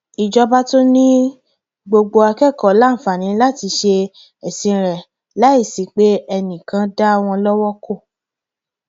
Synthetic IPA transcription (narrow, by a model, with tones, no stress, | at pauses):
i˨d͡ʒɔ˧ba˦to˦nĩ˦ | ɡ͡bo˧ɡ͡bo˧a˧kɛ˦˨kɔ˨la˦˨fa˨nĩ˨˦la˦ti˧ʃe˧ | ɛ˨sĩ˧˨ɾɛ˨ | la˦i˦˨si˨˦k͡pe˦ɛ˧nĩ˨kã˧˦da˦˧w̃ɔ̃˧lɔ˦wɔ˦kʰo˦˨